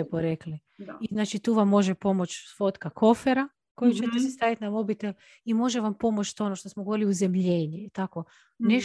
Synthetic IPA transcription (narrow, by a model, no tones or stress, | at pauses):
epoɾekli | iznaːt͡ʃit̪uːʋamːo̞ʒepo̞mo̞t͡ʃfo̞t̪kako̞feɾa | ko̞jut͡ʃet̪esest̪aʋit̪namo̞bit̪el | imo̞ʒeʋampo̞mot͡ʃt̪o̞noʃt̪o̞smoɡooɾiliuzemʎeːɲiit̪ako̞ | ne